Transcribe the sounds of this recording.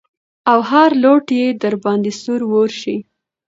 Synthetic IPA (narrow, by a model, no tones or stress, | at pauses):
awɦaɾloʈjed̪əɾbɑnd̪esuɾwoɾʃi